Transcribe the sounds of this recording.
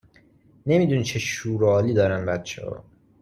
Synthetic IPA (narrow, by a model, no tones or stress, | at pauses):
ne̞miːd̪unit͡ʃʰeʃuːɾɒːliːd̪ɒːɾæmbæt̪̚t͡ʃʰḛhɒ̰ː